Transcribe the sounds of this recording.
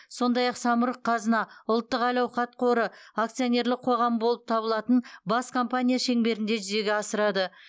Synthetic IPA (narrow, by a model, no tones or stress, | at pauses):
so̞nd̪ɑjɑqsɑməɾəqʰːɑzənɑʊlˠt̪ːəqɑjlɑwχɑt̪̚qʰo̞ɾəak̚t̪sijonʲe̞ɾlɪk̚qʰo̞ʁɑmbo̞lˠəp̚t̪ʰɑbəlˠɑt̪ənbɑskʰo̞mpanʲijaʃe̞ŋbe̞ɾɪnd̪e̞ʒʏze̞ɡʲeɑsəɾɑd̪ə